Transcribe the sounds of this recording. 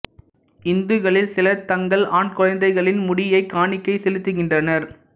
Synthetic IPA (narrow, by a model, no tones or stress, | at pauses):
ɪnd̪ɯɣɐɭɪlsɪlɐt̪ːɐŋɡɐɭaːɳkɔɻɐnd̪ɐɪɣɐɭɪnmʊɽɪjɐɪkːaːɳɪkːɐɪsɛlɯt̪ːɯɣɪndrɐnɐɾ